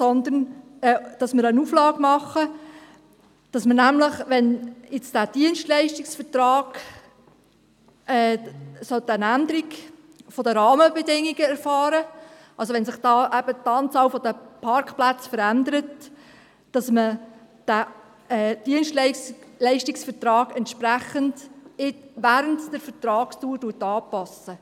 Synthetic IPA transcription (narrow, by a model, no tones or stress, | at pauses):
sɔnd̪ənɛd̥ɑsmɪɾənuflɑːɡmɑχə | d̥ɑsmənæmləχʋɛnɪt͡sd̥æd̥iənʃtlɛɪʃtiksfətɾɑːɡ̥ | ʔɛːsɔt̪ənænd̪əɾiɡ | fɔd̪əɾɑːməbɛdɪŋːiɡəæɾfɑːɾə | ʔɑlsoʋɛnsɪχd̥ɑːʔæb̥ətɑːnt͡sɑːlfɔd̥əpʰɑɾkχplæt͡sfəɾænd̪əɾət | d̥ɑsməd̥æ | ɛd̥iənʃtllɛɪʃtiksfətɾɑːɡ̥ɛntʃpɾæχəntɪtʋæːɾəntd̥əɾfəɾtɾɑːkstuːɾduətɑːpɑsə